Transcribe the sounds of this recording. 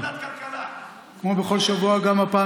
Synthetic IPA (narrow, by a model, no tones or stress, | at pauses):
kak | kmobeχo̞lʃavuaɡamapaː